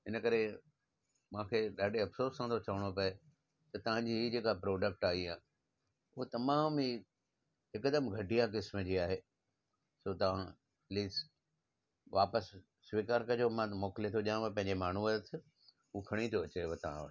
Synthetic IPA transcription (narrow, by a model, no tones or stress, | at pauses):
ɪnə̆kɐɾe | mãːkʰeɗaːɖeɐpsoːɾsãt̪ʰot͡ɕɐʋəɽ̃opɐe | t̪ɐt̪ɐʋ̤ãɲd͡ʑiːɦid͡ʑeːkapɾoːɖək̚ʈaːɦiaː | ʊɦot̪ɐmaːmi | ɦɪkd̪əmɡʱɐʈijãk̬ɪsməd͡ʑiːaːɦeː | soːt̪ɐʋ̤ã | ɐʈliːs | ʋaːpəs | sʋiːkaːɾkɐd͡ʑomãt̪ɐmoːkɪlet̪ʰoʄijãʋɐpɐ̃ɦɪ̃ɲd͡ʑemaːn̤uɐɾət̪ʰɪ | ukʰɐɽ̃it̪ʰoɐt͡ɕeʋɐt̪ɐ̤ã̰ʋəʈ